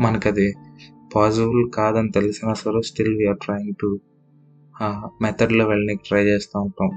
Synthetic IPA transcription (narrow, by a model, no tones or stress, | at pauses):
mɐnɐkɐd̪ipaːs̬ibulkaːd̪ɐnit̪elusinɐsɐɾoːsʈilʋiaːɾʈɾaːjiŋɡ̚ʈu | mɛt̪ʰɐɖloːʋeɭnikiʈɾɐjt͡ʃeːst̪aːuɳʈːaːm